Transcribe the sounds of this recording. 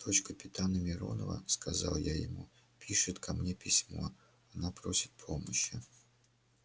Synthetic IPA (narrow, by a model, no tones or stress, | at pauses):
d̪̥ot͡ɕkəpʲɪt̪anəmʲɪɾo̞̰nə̰və̰skɐzɑlˠjajɪ̰mu | pʲiʂɨt̪kʰɐmnʲepʲɪsʲmo̞̰ | ɐnapɾosʲɪ̥t̪̚pʰoməɕːɪ